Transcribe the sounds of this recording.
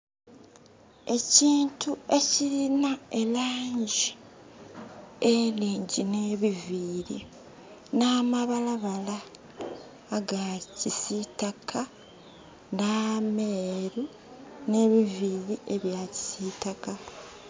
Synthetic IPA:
e̞ciːntʰue̞ciɾinae̞laːɲɟi | eliːɲɟine̞ːβiviːɾi | namaβalaβala | ɡacisitakʰa | nameɾu | ne̞βiviːɾiʔe̞βjaːci̥sitaka

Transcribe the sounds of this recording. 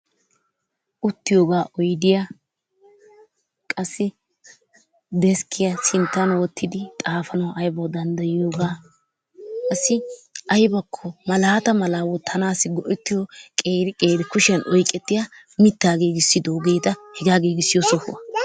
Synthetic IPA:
ʔʊt̪ːɪjoːɡaːʔɔjd̪ɪja | kʼɐsːɪ | d̪ɛskʰːɪjɐsɪnt̪ːɐnwɔt̪ʰːɪd̪ɪt̪ʼaːfɐnɐwʔɐjbɐwd̪ɐnd̪ɐjɪjoːɡaː | kʼɐsːɪʔɐjbɐkʰːɔmɐlaːt̪ɐmɐlaːwɔt̪ʰːɐnaːsɪɡɔʔɛt̪ːɪjɔkʼeːɾɪkʼe̞ːɾɪkʊʃɛnʔɔjkʼɛt̪ːɪja | mɪt̪ːaːɡe̞ːɡɪsːɪd̪oːɡe̞ːt̪ɐhɛɡaːɡe̞ːɡɪsːɪjɔsɔhʊ̰wɐ

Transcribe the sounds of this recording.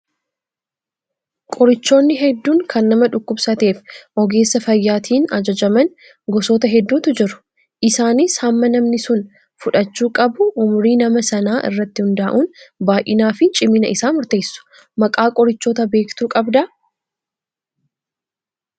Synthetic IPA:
kʼɔɾɪt͡ʃːo̞ːnːɪɦɛd̪ːuːŋkʰɐnːɐmɐᶑʊkːʊbsɐt̪e̞ːfʔɔɡe̞ːsːɐfɐjːaːt̪ʰiːnɐd͡ʒɐd͡ʒɐmɐn | ɡɔsoːt̪ɐɦɛd̪ːuːt̪ʊd͡ʒɪɾʊ̥ | ʔɪsaːnɪshɐmːɐnɐmnɪsʊn | fʊᶑɐt͡ʃːuːkʼɐbʊʔːmʊɾiːnɐmɐsɐnaːʔɪ̰rːɐt̪ːɪhʊnd̪aːʔuːnbaːʔɪnaːfɪnt͡ʃʼɪmɪnɐʔɪsaːmʊɾt̪e̞ːsːʊ̥ | mɐkʼaːkʼɔɾɪt͡ʃːoːt̪ɐbe̞ːkt̪uːkʼɐbd̪ɐ

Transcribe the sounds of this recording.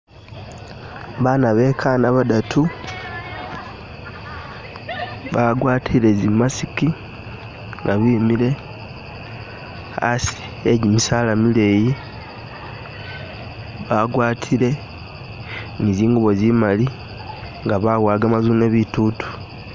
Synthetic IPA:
βaːnaβe̞kʰanaβadatʰu | βaɡwaːtʰile̞zimasiki | ŋɡaβimile̞ | a̰si̥ | eɟimisaːlamile̞ji | βaɡwaːtʰile̞ | niziːŋɡuβo̞zimali | ŋɡaβaɣwaːɡamazune̞βitutu̥

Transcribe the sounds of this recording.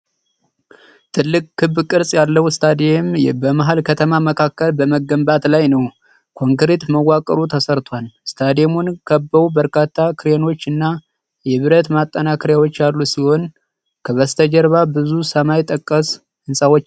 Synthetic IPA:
t̪ʰɨlːɨkʼkʰːɨbkʼɨɾsʼjalːəwst̪ʰad̪embəmaɦalkʰət̪ʰəmaməkʰakːəlbəməɡːəmbat̪lajnəw | kʰo̞ŋkɨɾet̪məwːakʼəɾut̪ʰəsəɾt̪ʰʷalst̪ʰad̪jemunkʰəbːəubəɾkʰat̪ʰːakʰɨɾeno̞t͡ʃːɨnːa | jɛβɨɾət̪mat̪ʼːənakʰɨɾjawo̞t͡ʃːjalːusiho̞n | kʰəβəst̪ʰəd͡ʒəɾβabɨzusəmajt̪ʼːəkʼːəs | ɨnsʼawot͡ʃː

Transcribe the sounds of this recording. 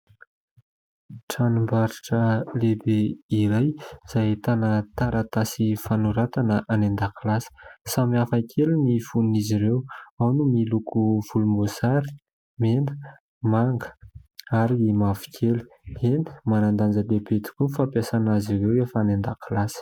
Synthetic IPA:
ʈ͡ʂanumbaɾiʈ͡ʂəlebeiɾajz̥ajt̪anət̪aɾat̪asifanuɾat̪anəʔanend̪akilasə̥samiafakʰelinifunniziɾewawnumilukuv̥ulumosaɾi̥ | menə̥ | maŋɡə̥aɾimavi̥kʲʰelu̥ | eni̥manand̪and͡zəlebet̪u̥kʲunfapjasanaziɾewefanend̪akulasə̥

